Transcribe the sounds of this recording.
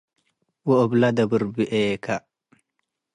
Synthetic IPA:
woːblad̪ɐbuɾbiʔeːka

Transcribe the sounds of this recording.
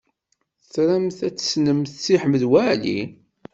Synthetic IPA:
t͡sɾæmθæt͡sːə̥snəmθt͡sːiħməðwæʕlḭ

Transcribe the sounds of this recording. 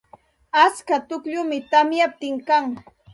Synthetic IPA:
askat̪ʊkʎʊmɪt̪amjap̚t̪ɪŋkaŋ

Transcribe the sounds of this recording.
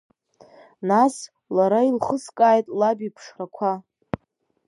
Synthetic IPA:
nas | laɾailχəskʼaːjtʼlabipʰʂrakʷʰa

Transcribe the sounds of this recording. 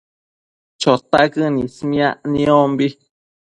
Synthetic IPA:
t͡ʃot̪aʔkɨnĩsmĩãʔnĩombi

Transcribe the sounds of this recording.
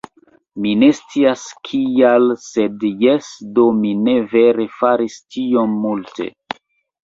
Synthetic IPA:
mine̞st͡siaskʰialse̞djesdo̞mine̞ve̞ɾe̞faɾistio̞mːulte̞̰

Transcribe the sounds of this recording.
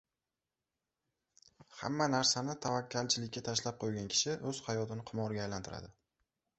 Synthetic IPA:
ha̰mːanaɾsanɪt̪ʰavakʲʰːalt͡ʃʰɪlɪkʲːat̪ʰaʃlap̚qʰojɡʲankʲʰɪ̥ʃɪʔɵz̥hajɒt̪ɪnɪqʰɨmɒɾɡʲaːjlant̪ɪɾa̰d̪ɪ

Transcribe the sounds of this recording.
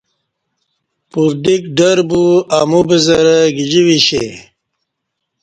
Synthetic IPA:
puɾd̪ik̚ɖəɾbuamubizɐɾəɡid͡ʑiwiɕḛ

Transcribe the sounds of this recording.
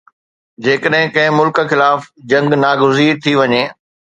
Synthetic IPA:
d͡ʑeːkəɗɦɪ̃kɐ̃ɦɪ̃mʊlk̆xɪlaːfd͡ʑɐ̃ŋɡnaːɡʊziːɾt̪ʰiʋɐɲeː

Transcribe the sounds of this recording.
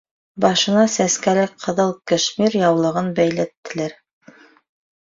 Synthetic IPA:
bɑʃɤ̆nɑsæskælɘk̚qʰɤ̆ðɤlˠkɘ̆ʃmiɾjɑwlˠɤ̆ʁɤnbæjlæt̪ːɘ̆læɾ

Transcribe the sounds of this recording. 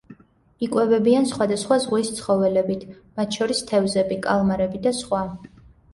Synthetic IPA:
ikʼwɛvɛbiansχwad̪asχwazʁwist̪sʰχɔvɛlɛbit̪ʰ | mat̪ʰʃɔɾist̪ʰɛvzɛbikʼalˠmaɾɛbid̪asχwa

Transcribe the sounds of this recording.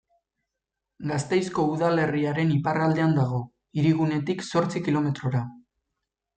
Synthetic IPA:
ɡast̪e̞jsko̞uðale̞riaɾe̞niparald̪e̞and̪aɣ̞o̞ | iɾiɣune̞t̪ikso̞ɾt͡sikilo̞me̞t̪ɾo̞ɾa

